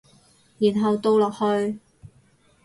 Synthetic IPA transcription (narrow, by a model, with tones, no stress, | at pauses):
jiː˨˩nɦɐ˨˧wt̪o˧wlɔː˨k̚hɵ˧ɥ